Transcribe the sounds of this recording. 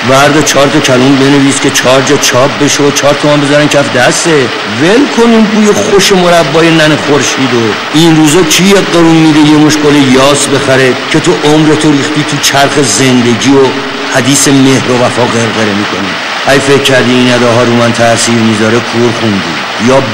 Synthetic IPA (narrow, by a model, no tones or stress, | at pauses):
væɾd̪et͡ʃʰɒːɾd̪ocʰæluːmbe̞neviːskʲʰe̞t͡ʃʰɒːɾd͡ʒɒːt͡ʃʰɒːp̚ʰbe̞ʃoot͡ʃʰɒːɾt̪ʰomæmbezæɾæncʰæfd̪æst̪e | velkʰoniːmɾuːjexoʃemo̞ɾæbːɒːjenænexoɾʃiːd̪o | inɾuːzɛt͡ʃʰijeɡeɾuːnmiːd̪ejemoʃkolejɒːsbe̞xæɾecʰe̞t̪ʰoʔomɾet̪ʰoɾiːχt̪iːt̪ʰut͡ʃʰæɾxe̞ze̞nd̪e̞ɟiːo | hæd̪iːse̞mehɾo̞væfɒːɣeɾɣeɾemikʰonḭ | hæjfe̞cʰːæɾd̪iːinæd̪ɒːɦɒːɾumænt̪ʰæsiːɾmizɒɾekʰuɾχund̪ḭː | jɒː